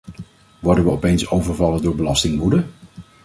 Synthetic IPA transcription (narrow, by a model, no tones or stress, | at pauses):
ʋɔɹdənʋəɔpejnsowvəɹvɑlədʊːɹbəlɑstɪŋʋudə